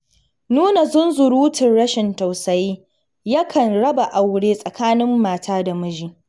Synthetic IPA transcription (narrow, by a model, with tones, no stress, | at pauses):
nuː˦na˨zʊ˦nzʊ˨ɽuː˦tɪ˨nɽɐ˦ʃɪ˨nta˨wsɐ˨jiː˦ | jɐ˦kʰɐ˨nɽɐ˦ba˨ʔa˨wɽeː˦sʼɐ˨kʰaː˦nɪ˦mːaː˨tʰaː˦da˨mɐ˦d͡ʒiː˨